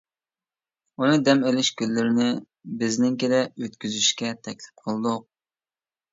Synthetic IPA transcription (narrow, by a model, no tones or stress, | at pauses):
unɨd̪ɛmelɪʃkʲylːɪɾɪnɪ | bɪznɪŋkʲelɪøt̪kʲyzyʃkʲɛt̪ʰɛkʲlɪ̥p̚qʰəlˠɨd̪ʊq̚